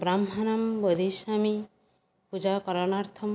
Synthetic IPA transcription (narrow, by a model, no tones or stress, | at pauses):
bɾamɦanambɔd̪ʱiʃami | pud͡ʒakɔɾɔnaɾt̪ʰɔm